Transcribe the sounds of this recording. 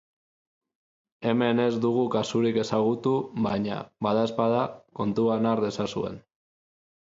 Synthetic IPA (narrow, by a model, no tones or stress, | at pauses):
e̞me̞ne̞zd̪uɣ̞ukasuɾike̞saɣ̞ut̪uβajɲa̰βaðae̞spað̞ako̞nt̪uanaɾðe̞sasue̞̰n